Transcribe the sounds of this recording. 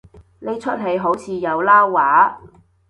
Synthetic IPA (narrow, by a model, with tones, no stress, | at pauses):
ne˨˧jt͡ʃʰɵ˥t̚ɦe˨˧jɦo˨˥wt͡sʰiː˨˧jɐ˨˧wlaː˥wːaː˨˥